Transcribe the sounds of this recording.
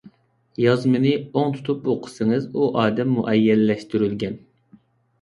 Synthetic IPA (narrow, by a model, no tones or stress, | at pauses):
jɑzmɨnɨoŋt̪ʰu̥t̪ʰupoqʰə̥sɨŋɨzuʔɑːd̪ɛmːṵʔɛjːɛlːɛʃt̪yɾylɡʲɛn